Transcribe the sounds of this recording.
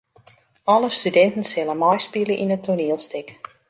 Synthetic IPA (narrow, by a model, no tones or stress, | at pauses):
ɔləstydɛntən̩sɪlənmɔjspiləʔinətʰoniəlˠstɪk